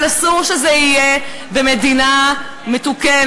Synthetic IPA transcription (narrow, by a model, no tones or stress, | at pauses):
lasuʃezeije | bemed̪ina | met̪uke